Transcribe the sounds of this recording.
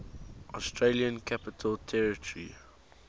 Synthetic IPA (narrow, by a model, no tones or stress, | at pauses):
ʔɔstʰɹeliə̃nkʰapɪtʰəlˠtʰɛɹɪtʰəɹḭ